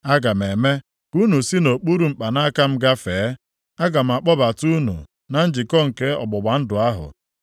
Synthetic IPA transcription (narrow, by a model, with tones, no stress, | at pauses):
a˦ɡa˨m̩˨e˨me˦ | ku˦nu˨si˦no˨k͡pu˦ɾu˨ŋ͡m̩˨k͡pa˨na˦ka˦m̩˦ɡa˦feː˨˦ | a˦ɡa˨m̩˨a˨k͡pɔ˦ba˨tu˦nṵ˨ | na˦n̩˦d͡ʒi˨kɔ˦ŋ̩˨ke˦ɔ̰˨bɔ˨ba˨˦n̩˦dʊ˨a˦ɦʊ̰˨